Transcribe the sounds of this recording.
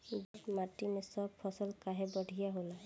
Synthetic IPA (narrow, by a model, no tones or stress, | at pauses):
bɔtmaʈinesɔbpʰɔsɔlkaɦɛbɔɖʱijaɦola